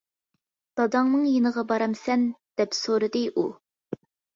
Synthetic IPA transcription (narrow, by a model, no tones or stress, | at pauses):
d̪̥ɑd̪ɑŋnɨŋjenəʁɑbɑɾɑmsɛnd̪̥ɛpsoɾɨd̪ɨʔu